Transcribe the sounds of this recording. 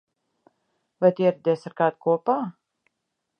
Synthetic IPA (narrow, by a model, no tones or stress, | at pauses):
vajt̪ʲiɛɾɛd̪ʲɛːsaɾkaːd̪̚kuɔpaː